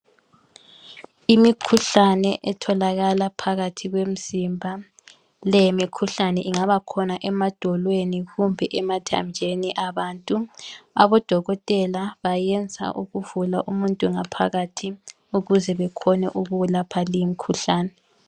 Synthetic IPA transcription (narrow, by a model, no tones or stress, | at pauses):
imikʰuɬanɛʔɛtʰɔlaɣalapʰaɣatʰiɣwem̩z̥imbʱa | lɛjemikʰuɬanɛʔiŋaβakʰɔnaʔɛmad̥ʱɔlweniɣumbʱɛʔɛmatʰa̰ɲd͡ʒʱeniʔaβaːntʼuaβɔd̥ʱɔɣɔtʼɛlaβajɛnd͡zʱa̰ʔuɣuvula̰ʔumuntʼuŋapʰa̰ɣatʰi | uɣuzɛβɛkʰɔnɛ̰ʔuɣulapʰalijimikʰuɬaːnɛ